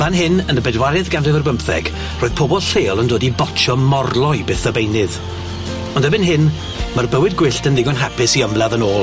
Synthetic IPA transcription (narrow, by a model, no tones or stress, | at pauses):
v̥anɦɪnənəbɛdwaɾɨðɡanrɪvərbəmpθɛ̰ɡ̥ | roːɨð̥pʰobɔlˠɬeːlˠəndoːdibɔtʰɔmɔrlˠɔjbeːθəbejnɨð | ɔndəbɪnɦɪn | mərbəwɨdɡwɪɬtəndɪɡɔnɦapʰɪsiəmlˠaðənoːlˠ